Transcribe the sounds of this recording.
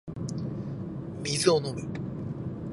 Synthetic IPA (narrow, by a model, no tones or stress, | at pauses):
mʲizɨonomɯ̟